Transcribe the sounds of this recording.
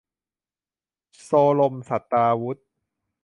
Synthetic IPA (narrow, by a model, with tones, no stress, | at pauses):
soː˧lo˧msa˨˩t̪ːaː˧wu˦˥t̪̚